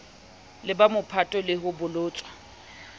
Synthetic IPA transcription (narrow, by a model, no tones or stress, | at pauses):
lɪbamʊpʰatʼɔlɪɦʊbʊlʊːt͡sʼwḁ